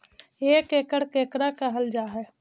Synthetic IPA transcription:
eːkeːkəɽ̤keːkɾakəɦəld͡ʒaːɦɛ

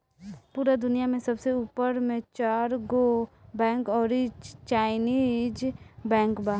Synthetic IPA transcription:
puːɾad̪ʊnijamẽsɐbseuːpəɾmẽt͡ʃaːɾɡobɛ̃ːŋkɔːɾit͡ʃaːɪniːd͡ʒbɛ̃ːŋkba

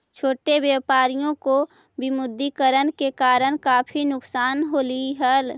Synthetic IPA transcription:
t͡ʃʰoːʈeʋjəpaːɾijõko | bɪmʊd̪ʱːikəɾənkekaːɾəɽ̃kaːpʰinʊksaːnɦoliɦəl

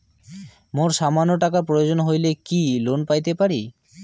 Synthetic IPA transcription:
moɾʃamanːoʈakaɾpɾojod͡ʑonɦojlekilonpajt̪epaɾi

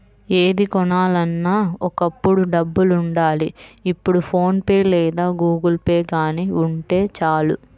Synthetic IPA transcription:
eːd̪ikɔnaːlɐnːaːɔkɐpːuɽuɖɐbːuluɳɖaːliipːuɽupʰo̞ːnpeːlɛːd̪aːɡuːɡɐlpeːɡaːniːuɳʈe̞ːt͡ʃaːlṵ

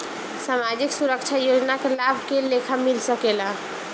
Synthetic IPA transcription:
samad͡ʒiksuɾəkt͡ʃʰajod͡ʒnakelabʱkelekʰamilsəkela

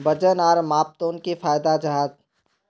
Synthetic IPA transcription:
bəd͡ʒənaːɾmaːp̚t̪oːnkifaːjd̪ad͡ʒɐɦaːd̪

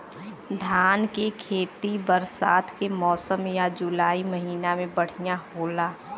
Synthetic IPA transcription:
d̪ʱaːnkekʰeːt̪ibəɾsaːt̪ʰkemɔːsəmjad͡ʒʊlaːiməɦiːnamẽbəɽ̤ijaɦoːlaː

